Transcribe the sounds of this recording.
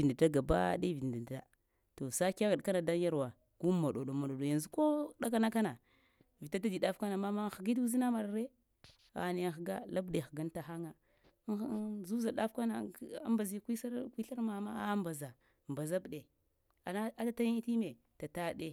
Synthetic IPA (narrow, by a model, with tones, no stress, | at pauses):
i˨n˨da˨da˦ɡa˨ba̰˦ɗe˦vi˨n˨di˨da̰˨ | to˨sa˦ka˦ɣi˨ɗka˦na˨da˦n˦ja˦ɾwa˨ | ku˦ma˨ɗo˨ɗo˨ma˨ɗo˨ɗo˨ja˨nzi˦ko˦ɗa˦ka˦na˦ka˦na˨ | vi˨ta˦ta˦di˨da˦fka˦na˨ma˦ma˦xɡi˦du˦zi˦na˦ma˨ɾɾe˦ | a̰˨ne˨xɡa̰˦la˦bɗe˨xɡa˦nta˨xa˦ŋa˨˦ | zu˦za˨ɗa˦fka˦na˨˦a̰˦mba˨zi˦kʷi˦sa˦ɾkʷwi˦ɬa˦ɾma˨ma˦a˦mba˨za˨ | mba˨za˦bɗe˨ | a˨na˦a˦ta˦ta˦ji˦ti˦me˨ | ta˨ta˦˨ɗe˦